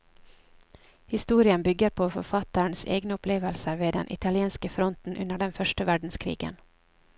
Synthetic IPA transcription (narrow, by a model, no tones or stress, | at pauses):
hɪst̪uːɾɪənbʏɡəɾpʰoːfɔɾfɑt̪əɳsḛːɡnəʊpʰleːʋəlsəɾʋeːd̪ɛ̰nʔɪ̰t̪ʰɑlɪeːnskəfɾɔnt̪n̩ʔʉnəɖɛnfœʃʈəʋæɖɳ̩skʰɾḭːɡə̰n